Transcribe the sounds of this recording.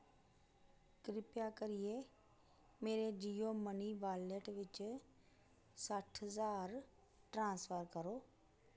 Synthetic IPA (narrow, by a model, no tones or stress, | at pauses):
kɾɪpjakəɾije | meːɾed͡ʒiːjoməniʋaːleʈʋɪt͡ʃ | səʈʰɦəzaːɾ | ʈɾãːsfʰəɾkəɾoː